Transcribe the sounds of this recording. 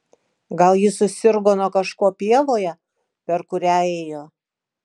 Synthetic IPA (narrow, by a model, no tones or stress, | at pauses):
ɡɐlˠjɪsʊsʲɪɾɡoːnoːkɐʃkoːpʲiɛlˠoːjɛ | pʲɛɾkʊɾʲæːɛːjoː